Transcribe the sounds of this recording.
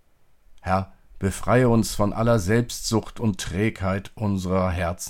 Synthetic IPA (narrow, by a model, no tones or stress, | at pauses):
hɛɐb̥əfʁ̥aɪəʊnsfɔnʔa̰lɐzɛlpstz̥ʊxtʰʊntːʁ̥ɛːkhaɪtʰʔʊnzəʁɐɦɛɐt͡s